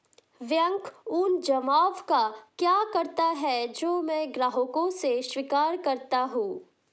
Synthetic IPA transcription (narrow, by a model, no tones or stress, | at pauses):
ʋjə̃ŋkʊnd͡ʒɐmaːʋkakjaːkɐɾt̪aɦɛd͡ʒoːmɛ̃ɡɾaːɦokõseʃwiːkaːɾkɐɾt̪aɦũː